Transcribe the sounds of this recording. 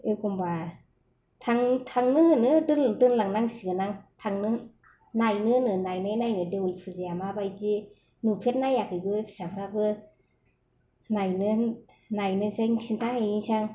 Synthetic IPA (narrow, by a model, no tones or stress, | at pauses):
ekumba | tʰaŋtʰaŋnɯnɯdɯndɯnlaŋnaŋsiɡanaŋtʰaŋnɯ | najnɯnɯnajnɯjnajnɯdewlpʰɯziamabajti | nupʰet̚najakɯbɯpʰsapʰɾabɯ | najnɯ | najnɯsajŋsintajisaŋ